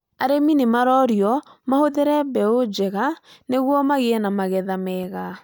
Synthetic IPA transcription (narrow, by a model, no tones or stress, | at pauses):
aɾeminemaɾɔɾjɔmahoðeɾɛbɛod͡ʒɛɣaneɣwɔmaɣeɛnamaɣɛðamɛɣa